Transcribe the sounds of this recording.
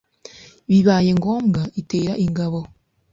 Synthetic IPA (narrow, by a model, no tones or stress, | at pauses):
βiβaːje̞ŋɡoːmɡaiteːɾaʔiŋɡaβo̞